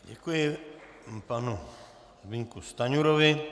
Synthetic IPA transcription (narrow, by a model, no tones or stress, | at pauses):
ɟɛkujɪ | panu | zbɪɲkust̪aɲuɾovɪ